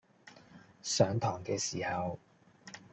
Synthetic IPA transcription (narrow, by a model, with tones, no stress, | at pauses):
sœː˨˥ŋt̪ʰɔː˨˩ŋkɛː˧siː˨˩hɐ˨w